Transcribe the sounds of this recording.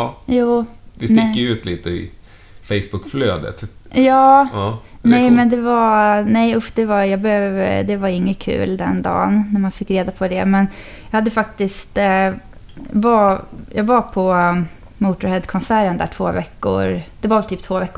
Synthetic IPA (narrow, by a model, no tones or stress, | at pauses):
juːd̪ɛst̪ɪkːəʉ̟ːt̪ʰliːt̪əɪ̰ | fɛɪsbʊkːflø̰ːd̪ə̰t̪ | jɑː | nɛjmɛnd̪ɛvanɛjʊfd̪ɛvajɑːɡbɛhøvə̰d̪ɛvaɾɪŋːəkʰʉ̟̰ːld̪ɛ̰nd̪ɑ̰ːnːæmanfɪkːɾeːd̪apʰɔd̪ɛmɛnjɑhad̪ːəfak̚t̪ɪst̪ | vajʔɑːɡvapʰɔ | muːt̪ʊɾhɛd̪kʰɔnsæːɾənd̪æ̰ːʈʰv̥oːvɛkːʊ̰ɾd̪̥ɛvaɾvɛlt̪ʰyːp̚t̪ʰvoːvɛkːʊ